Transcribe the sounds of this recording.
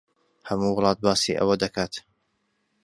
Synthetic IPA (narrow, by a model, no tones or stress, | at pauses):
hɐmuwʊlˠɑːt̪̚baːsiʔɐ̰wɐd̪ɐkʰaːt̪